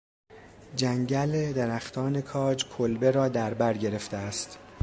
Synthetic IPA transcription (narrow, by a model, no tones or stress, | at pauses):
d͡ʒæŋɟæled̪eɾæxt̪ʰɒːne̞kʰɒːd͡ʒkʰolbe̞ɾɒːd̪æɾbæɾɟe̞ɾe̞ft̪eæst̪